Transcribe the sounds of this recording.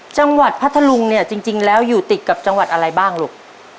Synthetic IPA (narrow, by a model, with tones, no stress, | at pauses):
t͡ɕa˧ŋwa˨˩t̪̚pʰa˦˥t̪ʰːa˧lu˧ŋni˥˩ɐt͡ɕi˧ŋt͡ɕi˧ŋlɛː˦˥wjuː˨˩t̪i˨˩t̪̚ka˨˩p̚t͡ɕa˧ŋwa˨˩t̪̚ʔa˧ɾa˧jbaː˥˩ŋloː˨˩k̚